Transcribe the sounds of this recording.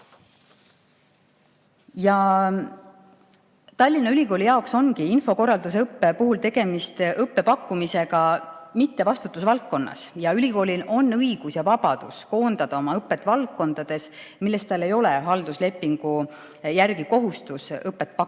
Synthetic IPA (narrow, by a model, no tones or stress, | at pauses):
jɑ | t̪ɑlʲːinɑylʲiko̞ːlʲijɑokso̞nkiinfo̞ko̞rːɑld̪us̬eɤpːe̞puɦult̪e̞ɡ̥e̞mist̪ʔɤpːe̞pɑkːumise̞ɡɑmit̪ːe̞vɑst̪ut̪ːˑusvɑlt̪̚ko̞nːɑ̰sjɑylʲiko̞ːlʲino̞nːɤiɡ̥usjɑvɑb̥ɑd̪̥usko̞ːnd̪̥ɑd̪̥ɑo̞mɑɤpːe̞t̪ːˑvɑlt̪̚ko̞nd̪̥ɑd̪̥e̞s | milːe̞st̪ɑlːe̞jo̞le̞ɦɑld̪usle̞pːiŋɡ̥u | jærɡiko̞ɦust̪usɤpːˑe̞t̪̚ːpɑkːu